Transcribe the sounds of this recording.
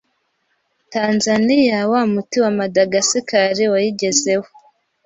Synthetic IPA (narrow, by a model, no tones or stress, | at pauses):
tanzanijawamutiwamadaɡasikaɾiwajiɟe̞ze̞ho̥